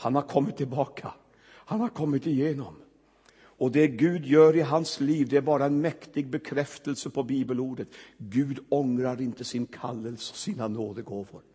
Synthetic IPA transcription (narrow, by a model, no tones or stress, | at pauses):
hanhaɾkʰɔmːɪt̪ʰːɪlbɑːkʰa | hanhaɾkʰɔmːɪt̪ɪjeːnɔm | ɔd̪ɛɡʉ̟ːd̪jœːɾɪɦansliːvd̪ɛæɾbɑːɾaɛnmɛkt̪ɪɡ̚bɛkʰɾɛft̪əlsəpʰɔbiːbəluːɖət̪ɡʉ̟ːd̪ɔŋɾaɾɪnt̪əsɪnkʰalːəlsəɔ̥siːnanoːd̪əɡoːvə̰ɾ